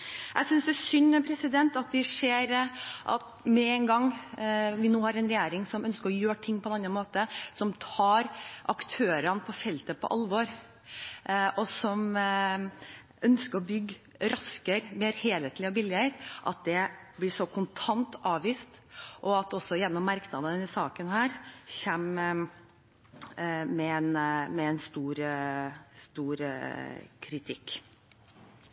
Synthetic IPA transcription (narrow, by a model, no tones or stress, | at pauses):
ʔæsʏnsd̪ɛæːsʏnːpʰɾɛsɪd̪ɛnt̪ɑt̪̚d̪ɛʂeːɾʔɑ̰t̪ | mɛɛŋɡɑŋː | ʋɪnuːhɑɾɛnɾɛjæːɾɪŋsɔmœnskəɾɔjøːʈʰɪŋːpʰɔɛnɑnːɑnmoːt̪əsɔmt̪ʰɑːɾʔɑkt̪ʰøːɾənpʰɔfɛlt̪əpʰɔ̰ʔɑlʋɔɾ | ʔɔsɔm | ʔœnskəɾɔbʏɡː | ɾɑskəɾmeːɾheːlheːt̪lɪɔbɪlːɪəɾʔɑt̪̚d̪ɛblɪʂɔkʰʊnt̪ʰɑnt̪ʔɑːʋʋiːst̪ʔɔɑt̪ɔsːɔjɛnːɔmːɑɾknɑːd̪ənnɪsɑːkənhæːɾçɛm | mɛɛnmɛɛnst̪uːɾ | st̪uːɾ | kʰɾɪt̪ʰɪkː